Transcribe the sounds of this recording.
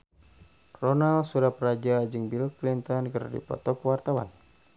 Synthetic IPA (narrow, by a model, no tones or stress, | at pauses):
rɔnalsuɾahpɾad͡ʒad͡ʒɨŋbilklint̪ɔnkərdḭpɔ̰t̪ɔkwart̪awa̰n